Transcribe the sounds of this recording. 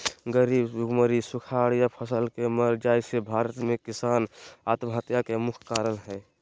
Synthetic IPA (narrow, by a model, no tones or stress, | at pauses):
ɡəɾibuɡməɾisukʰaɽjapʰəsəlkeməɾd͡ʒajsebʱaɾət̪mekisanat̪mɦət̪jakemukʰkaɾənɦɛ